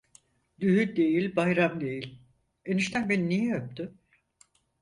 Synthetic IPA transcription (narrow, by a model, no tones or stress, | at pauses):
d̪yɦyd̪e̞jilʲbajɾamd̪e̞jilʲ | eniʃt̪ʰænbeninijɛjøp̚t̪ʏ